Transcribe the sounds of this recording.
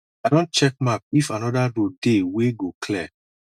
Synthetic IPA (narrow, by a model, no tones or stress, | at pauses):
adɔ̃nt͡ʃɛk̚map̚ifãnɔdaɹodeweɡokʰlɛ